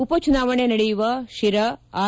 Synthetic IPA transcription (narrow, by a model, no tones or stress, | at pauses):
upɐt͡ʃunaːʋɐɳenɐɽejuʋɐʃiɾɐaː